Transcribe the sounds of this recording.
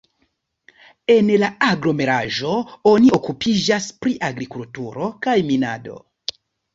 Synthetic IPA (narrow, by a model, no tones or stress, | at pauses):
e̞nlaaɡɾo̞me̞ɾaʒo̞o̞nio̞kupʰid͡ʒaspɾiʔaɡɾikultuɾo̞kajmina̰do̞̰